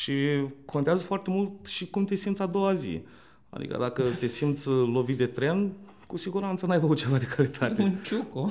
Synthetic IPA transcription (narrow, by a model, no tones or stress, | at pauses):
ʃikʰo̞nt̪eazəfoart̪e̞mult̪ʃikumt̪e̞simt̪sʲad̪o̞wazḭ | a̰d̪ḭkə̰d̪akət̪e̞simt̪sʲlo̞vit̪̚d̪e̞t̪ɾe̞n | kusiɡuɾant̪sənajvəkut̪̚t͡ʃe̞vad̪e̞kʰalit̪ʰat̪eunt͡ʃuko